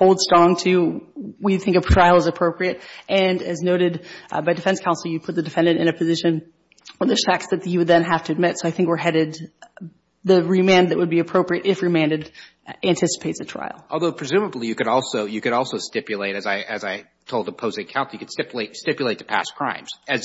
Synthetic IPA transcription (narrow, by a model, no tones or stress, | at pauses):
hoʊlˠd̥stɹ̥ɔ̃ŋtʰʉwiθɪ̃ŋkɨtʰɹ̥aɪlˠəzɨpʰɹ̥oʊpɹiɨɾʔɨ̃nɨznoʊɾɨdbaɪdɨfɛ̃nskʰaʊnsl̩ˠjɨpʰʊt̪̚ðɨdɨfɛ̃ndɨ̃ñtɨ̰̃ñɨpʰɨzɪʃɨ̃n | wəðɨʃæksðɨt̪̚jɨwɨd̪̚ðɨ̃nɦæftɨɨd̚mɪtsoʊaɪθɪ̃ŋkwə˞ɦɛɾɪd̪̚ | ðɨɹimæ̃n̚ðɨʔ̚wəd̚biɨpʰɹ̥oʊpɹiɨɾʔɪfɹɨmæ̃ndɨd | æ̃ntʰɪsə̥pʰeɪtsɨtʰɹ̥a̰ɪl̩ˠʔɔlˠðoʊpʰɹ̥ɨzʉməblijɨkɨɾɔlˠsoʊjɨkɨɾɔlˠsoʊstɪpjɨleɪɾɨzaɪʔɨzaɪ | tʰoʊlˠdəpʰoʊzɨ̃kʰãʊ̃nsl̩ˠjɨkɨd̥stɪpjleɪtstɪpjleɪt̪̚ʰə̥pʰæ̰skʰɹ̥ã̰ɪ̃mz̥ɨz